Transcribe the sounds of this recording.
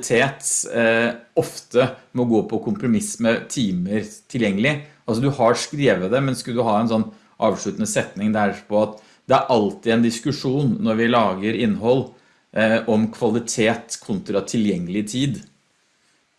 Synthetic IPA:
t̪ʰeːt̪ | ɔft̪əmɛɔɡoːpʰɔkʰʊmpɾʊmɪsmɛt̪ʰiːməɾt̪ʰɪljɛŋːəlɪ | ɑlsɔd̪ʉhɑɾʂkɾeːʋəd̪ɛmɛnskɑd̪ʉɦɑːɛnsɔnː | ʔɑːʋʂɭʉːt̪ənəsɛt̪nɪŋd̪æɾpʰɔɑt̪ | d̪ɛæɾʔɑlt̪ɪɛnd̪ɪskʉʂuːnːɔɾʋɪlɑːɡəɾɪnːɦɔlː | ʔɔmkʰʋɑlɪt̪ʰeːt̪kʰʊnt̪ɾɑt̪ʰɪljɛŋːəlɪt̪ʰiːd̪

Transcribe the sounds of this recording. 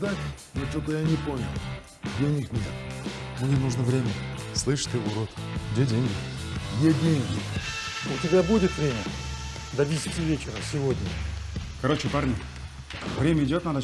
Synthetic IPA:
d̪atʲ | not͡ɕot̪əjanʲɪponʲɪlˠ | dʲenʲɪknʲḛt̪mnʲenuʐnəvɾʲemʲəslˠɨʂt̪ɨʊɾot̪ɡdʲedʲenʲɡʲɪ | jedʲenʲɡʲɪ | ʊtʲɪbʲabudʲɪt̪vɾʲemʲə | d̪ɐvʲisʲɪtʲɪvʲet͡ɕɪɾəsʲɪvodʲnʲəkɐɾo̞t͡ɕɪparnʲɪ | vɾʲemʲəɪdʲot̪nad̪ə

